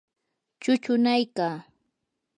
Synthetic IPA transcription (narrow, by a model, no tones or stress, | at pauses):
t͡ʃʊt͡ʃʊnajkaː